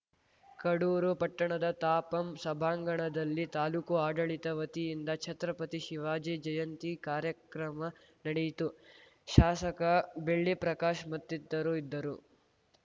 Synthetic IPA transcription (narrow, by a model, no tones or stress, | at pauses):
kɐɽuːɾupɐʈːɐɳɐd̪ɐt̪aːpɐmsɐbʱaːŋɡɐɳɐd̪ɐlːit̪aːluːkuaːɖɐɭit̪ɐʋɐt̪ijind̪ɐt͡ʃʰɐt̪ɾɐpɐt̪iʃiʋaːd͡ʒeːd͡ʒɐjɐnt̪ikaːɾjɐkɾɐmɐ | nɐɽejt̪u | ʃaːsɐkɐbeɭːipɾɐkaːʃmɐt̪ːid̪ːɐɾuid̪ːɐɾu